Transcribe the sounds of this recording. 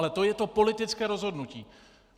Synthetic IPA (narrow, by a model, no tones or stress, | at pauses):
lɛt̪o̞jɛt̪o̞po̞lɪt̪ɪt͡skɛːɾozɦodnuciː